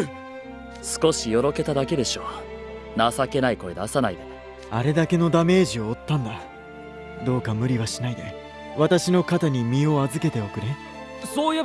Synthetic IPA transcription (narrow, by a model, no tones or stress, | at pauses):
sɨ̥ko̞ɕijo̞ɾo̞ke̞t̪ad̪ake̞d̪e̞ɕo̞ː | nasake̞naiko̞e̞d̪asanaid̪a | aɾe̞d̪ake̞no̞d̪ame̞ːʑio̞ːt̪ːãnd̪a | d̪o̞ːkamɯ̟ɾʲiβaɕinaid̪e̞ | βat̪aɕino̞kat̪aɲ̟imʲio̞azɨke̞t̪e̞o̞kɯ̟ɾe | soːje